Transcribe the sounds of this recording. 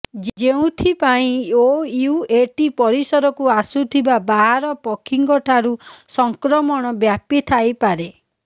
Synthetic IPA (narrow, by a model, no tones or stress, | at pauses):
d͡ʒd͡ʒeũt̪ʰipaĩojueʈipɔɾisɔɾɔkuasut̪ʰibabaɦaɾɔpɔkʰiŋɡɔʈʰaɾusɔŋkɾɔmɔɽ̃ɔbjapit̪ʰajpaɾe